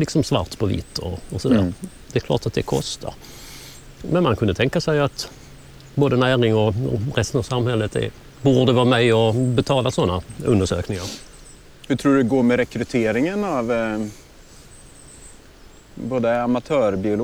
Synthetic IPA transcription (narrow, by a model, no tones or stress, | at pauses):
lɪksɔmsva̰ɾt̪pʰɔvḭt̪ʰːɔ̰ɔsɔd̪æ̰ːɾ | d̪ɛɛkʰlɑ̰ːʈat̪̚d̪ɛkʰɔ̰st̪ʰa̰ɾ | mɛnmankʰɵnd̪ət̪ʰɛŋkasɛjat̪ | boːd̪ənæːɾɪŋɔɾɛst̪ənɑvsamhɛlːət̪ɛ̰ | buːɖəvɑːmɛjɔbɛt̪ʰɑːlasɔnːaɵ̰nd̪əʂø̰ːknɪŋaɾ | hɵʈ̪ʰɾuːɖɵɡoːɾmɛɾɛkɾɵt̪ʰeːɾɪŋənav | boːd̪əamat̪ʰœːɾbɪʊl